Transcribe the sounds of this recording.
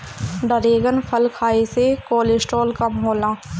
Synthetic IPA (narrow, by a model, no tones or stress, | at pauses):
ɖəɾeːɡənpʰəlkʰaːesekoːlɪsʈoːlkɐmɦoːlãː